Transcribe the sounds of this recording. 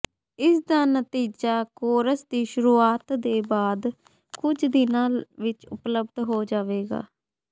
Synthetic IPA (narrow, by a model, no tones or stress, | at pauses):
ɪsd̪aːnət̪iːd͡ʒaːkoːɾəsd̪iːʃʊɾuːaːt̪d̪eːbaːd̪ | kʊd͡ʒd̪ɪnãːlʋɪt͡ʃʊpləbd̪ɦoːd͡ʒaːʋeːɡa̰ː